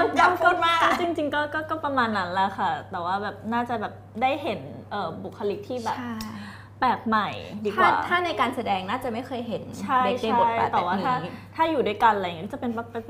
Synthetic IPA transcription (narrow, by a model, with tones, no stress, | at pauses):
ka˧˥˩mkɯ˥˩n̚maː˥˩kt͡ɕi˧ŋt͡ɕi˧ŋkɔː˥˩kɔː˥˩kɔː˥˩pɾa˧maː˧nːa˦˥nla˧˩xʰa˥˩t̪ɛː˨˩waː˥˩bɛː˨˩p̚naː˥˩t͡ɕa˨˩bɛː˨˩p̚daː˥˩jɦe˩˦nʔɤː˨˩bu˨˩kʰːa˧li˦˥k̚t̪ʰiː˥˩bɛː˨˩a˥˩ | pɛː˨˩k̚ma˨˩jdiː˧tkawaː˥˩˨t̪ʰaː˥˩na˧jkaː˧nsa˧dɛː˧ŋnaː˥˩t͡ɕa˨˩ma˥˩jxʰɤː˧jɦe˩˦nt͡ɕʰa˥be˦t͡ɕʰe˧˥a˥˩˨ja˨˩t̪ɛː˨˩waː˥˨tʰaː˥˩˦t̪ʰaː˥˩juː˨˩du˥˩jka˧nljŋi˦˥t͡ɕa˨˩pe˧na˧p